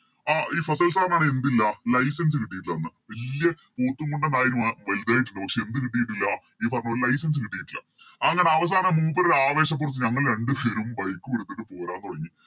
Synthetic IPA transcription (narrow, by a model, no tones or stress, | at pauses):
aːʔiːfɐsɐlsaːrnaːɳɨe̞nd̪ilːɐlɐjsɐns̬ɨkiʈːijiʈːilɐɐnːɨʋɐllːijɐ | poːrt̪ːuŋkoɳɖɐnaːjiɾumʋeld̪aːjiʈ̬ːuɳɖɨpɐkʂe̞end̪ɨkiʈ̬ːijiʈ̬ːilːɐ | iːpɐrɐɲːoɾlɐjsɐns̬ɨkiʈːijiʈːilːɐ̰ | ɐŋːɐːɳeɐʋɐs̬aːnɐmuːpːɐɾɐɾaːʋe̞ːɕɐp̬ːurɐt̪ːɨɲɐŋːɐɭɾe̞ɳɖɨpeɾumbɐjkːumeɽut̪ːeʈːɨpo̞ːɾaːnt̪oɽɐŋːi